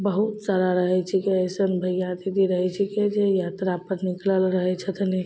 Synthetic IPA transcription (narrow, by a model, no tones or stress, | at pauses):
bəɦut̪saɾaɾəɦɛt͡ʃʰikiəsənbʱəjjat̪id̪iɾəɦɛt͡ʃʰiked͡ʒejat̪ɾapəɾnɪkləlɾəɦɛt͡ʃʰət̪ʰne